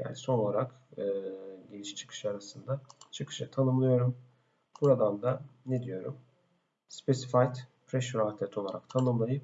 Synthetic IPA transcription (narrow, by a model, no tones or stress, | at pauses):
ja̰niso̞no̞lˠaɾak | ɯːɟelʲiʃt͡ʃʰɯ̥kʰɯ̥ʃaɾasɯnd̪at͡ʃʰɯkʰɯ̥ʃɯt̪ʰanɯmlˠɯjo̞ɾum | b̥uɾad̪and̪aned̪ijo̞ɾum | spʰesi̥fajt̪pʰɾeʃyɾat̪ʰɛt̪ʰo̞lˠaɾʔa̰kt̪ʰanɯmlˠajɯp